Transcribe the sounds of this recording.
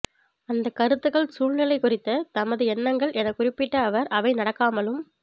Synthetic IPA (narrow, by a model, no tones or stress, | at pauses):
ɐnd̪ɐkɐɾɯt̪ːɯɣɐɭsuːɻnɪlɐɪkʊrɪt̪ːɐt̪ɐmɐðɯɛnːɐŋɡɐɭɛnɐkːʊrɪpːɪʈːɐːʋɐɾɐʋɐɪnɐɽɐkːaːmɐlɯm